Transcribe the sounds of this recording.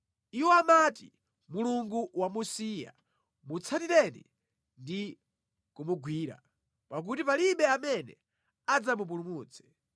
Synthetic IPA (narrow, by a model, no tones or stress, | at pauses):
iwɔamati | muluŋɡuwamusija̰ | mut͡sʰatiɾɛnḭ | ndi | kumuɡwiːɾa̰ | pak̬utipaliɓɛamɛnɛ̰ | ad͡zamup̬ulumuːt͡sʰɛ̥